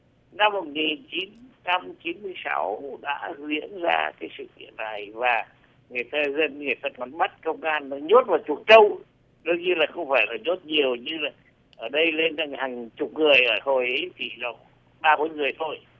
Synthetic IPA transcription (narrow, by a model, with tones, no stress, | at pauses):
na˧mːo˨˩t̚ŋi˨˩nt͡ɕi˨˦nt͡ɕa˧mt͡ɕi˨˦nmɨ˧əjsa̰˨˦wɗa̰ː˧˥zḭ˧˥ənza̰ː˧kaː˨˦jsɨ̰˧˨kḭ˧˨ənːa˨˩jvaː˨˩ | ŋɨ˨˩əjt̪aː˧zə˧n˧ŋɨ˨˩əjt̪aː˧kɔ˧˩˦nɓa˦˥t̚kə˧wŋ͡mʔaː˧n˨˦ɲo˦˥t̚vaː˨˩t͡ɕu˨˩ət̚t͡ɕə˧w | ɗɨ˧əŋɲɨ˧laː˨˩xə˧wŋ͡mfaː˧˩jlaː˨˩ɲo˦˥t̚ɲi˨˩əwɲɨ˧laː˨˩ | ʔəː˧˩ɗə˧jle˧na˧˩ŋhaː˨˩ŋt͡ɕʊ˨˩k͡p̚ŋɨ˨˩əjʔəː˧˩ho˨˩jʔə˨˦t͡ɕ̪ʰi˧˩lɔ˨˩ | ɓaː˧ku˧˨˦jŋɨ˨˩əjt̪ʰo˧j